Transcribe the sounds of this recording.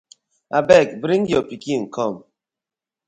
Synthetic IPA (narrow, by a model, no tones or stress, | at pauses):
abɛk̚bɾiŋ̩ɡjopikiŋ̩kɔm